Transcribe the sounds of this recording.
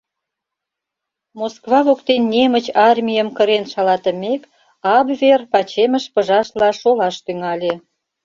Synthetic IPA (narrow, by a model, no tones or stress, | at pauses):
moskβɑβokt̪enːʲemət͡ɕɑrmʲijəmkə̆ɾenʃɑlɑt̪ə̆mʲek | ɑbverpɑt͡ɕemə̆ʃpə̆ʒɑʃlɑʃolɑʃt̪yŋɑlʲe